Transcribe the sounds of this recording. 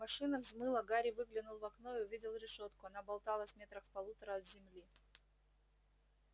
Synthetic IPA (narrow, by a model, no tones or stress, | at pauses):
mɐʂɨnəvzmɨlˠəɡaɾʲɪvɨɡlʲɪnʊlˠvɐknoɪʊvʲidʲɪlˠɾʲɪʂo̞t̪kʊɐn̪abɐlˠt̪alˠəsʲvmʲe̞t̪ɾəxfpɐlˠut̪əɾəɐt̪zʲɪmlʲi